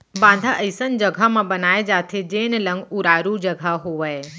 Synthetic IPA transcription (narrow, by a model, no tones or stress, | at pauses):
bãːnd̪ʱaʔɐɪsənd͡ʒɐɡʱamãbɐnaːed͡ʒaːt̪ʰed͡ʒeːnlə̃ŋɡuɾaːɾud͡ʒɐɡʱaɦoʋəe